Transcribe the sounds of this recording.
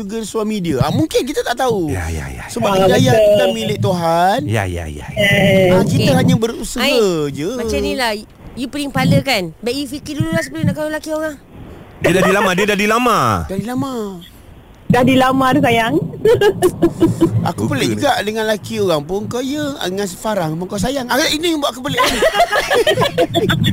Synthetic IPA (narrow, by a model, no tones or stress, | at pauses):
uɡəsuamidiaamuŋkɪnk̬it̪at̪aʔt̪auja̰ja̰jasəbaəd͡ʒajat̪amilɪʔt̪uɦanja̰ja̰ja̰akit̪aɦaɲabərusəɦəd͡ʒəmat͡ʃanila | jupəliŋpaləkanbaʔjufikɪrdululahsəpəlnakaulakioɣaŋdədadilamadiədahdilamãdahdilama | dahdilamãdus̬ajaŋ | a̰kupəleʔd͡ʒuɡaʔdəŋanlakioɣaŋpʊŋkawjəa̰ŋas̬ə̥faɾaŋpuŋkaws̬ajaŋakaʔinibaʔakupəleʔni